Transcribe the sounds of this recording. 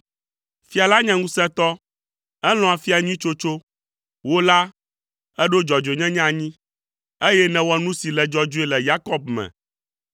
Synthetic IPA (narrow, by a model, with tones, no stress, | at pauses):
fi˦a˨la˦ɲɛ̃˦ŋũ˦sɛ̃˦t̪ɔ˦ | ɛ˦l̃ɔ̃˨a˨fi˦a˨ɲĩ˦t͡ʃo˦t͡ʃo˦ | wo˦la˦ | ɛ˦ɖo˦d͡ʒɔ˨d͡ʒo˨ɲɛ̃˦ɲã˦˨ɲĩ˦ | e˦jɛ˦nɛ̃˨wɔ˦nũ˦si˨lɛ˨d͡ʒɔ˦d͡ʒu˦ɛ˦lɛ˨ja˦kɔ˦b̚mɛ̰̃˨